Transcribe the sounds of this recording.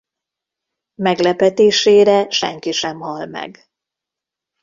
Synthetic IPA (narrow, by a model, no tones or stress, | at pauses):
mɛɡlɛpɛt̪eːʃeːɾɛʃɛ̰ŋkiʃɛmhɒlmɛ̰ɡ